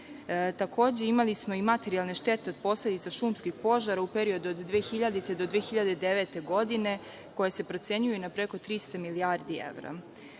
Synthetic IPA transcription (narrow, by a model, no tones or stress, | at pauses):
t̪akʰo̞ːd͡ʑe̞imalismo̞imat̪e̞ɾialˠne̞ʃt̪e̞t̪e̞od̪̚po̞sle̞d̪it̪saʃuːmskixpo̞ʒaɾaupeɾio̞d̪uod̪ːʋeːxiʎad̪it̪ed̪o̞d̪ʋeːxiʎad̪e̞d̪eʋet̪e̞ɡo̞d̪ine̞ | ko̞jese̞pɾo̞t̪se̞ɲujunapɾeko̞t̪ɾist̪amiliaɾd̪iḛʋɾa̰